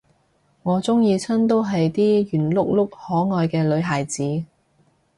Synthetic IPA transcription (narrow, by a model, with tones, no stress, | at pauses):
ŋɔː˨˧˥t͡sʊ˥ŋjiː˧t͡sʰɐ˥nt̪̬o˥wɦɐ˨jt̪iː˥jyː˨˩nlʊ˥k̚lʊ˥k̚hɔː˨˥ŋɔː˨jkɛː˧lɵ˨˧ɥɦaː˨˩jt͡siː˨˥